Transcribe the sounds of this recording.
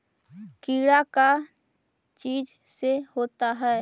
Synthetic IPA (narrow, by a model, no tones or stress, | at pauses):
kiːɽaka | t͡ʃiːd͡ʒ | sehoːt̪aɦɛː